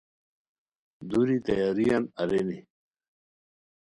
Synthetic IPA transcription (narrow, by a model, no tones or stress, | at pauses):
d̪uɾit̪ɐjaɾijanɐɾeni